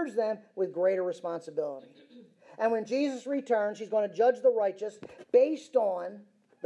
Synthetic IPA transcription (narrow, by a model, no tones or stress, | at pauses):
zðɨ̃mwɨðɡɹeɪɾə˞ɹɨspɑ̃nsəbɪlˠə̰ɾi | ʔɨ̃nwɨ̃nd͡ʒizəsɹitʰɜ̃˞nz̥hizɡoʊ̃nɨd͡ʒʌd͡ʒðəɹaɪt͡ʃɨsb̥eɪstn̩ | ð